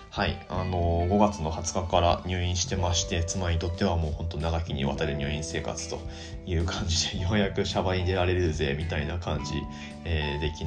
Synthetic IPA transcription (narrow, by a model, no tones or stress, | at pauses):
haiano̞ɡo̞ɡat͡sɨno̞hat͡sɨ̥kakaɾa̰ɲ̟ʲɨ̟ːĩɰ̃ɕi̥t̪e̞maɕi̥t̪e̞t͡sɨmaɾʲiit̪o̞t̪ːe̞βamo̞ːhõ̞nt̪o̞naɡakʲiɲ̟ia̰t̪aɾeɾɯ̟ɲʲɨ̟ːĩɰ̃se̞ːka̰t͡sɨ̥t̪o̞ | jɯ̟ːkʰãɲ̟d͡ʑid̪e̞jo̞ːjakɯ̟ɕabaɲid̪e̞ɾaɾe̞ɾɯ̟ze̞ːmʲit̪ainakãɲ̟d͡ʑḭ | eːd̪e̞kʲi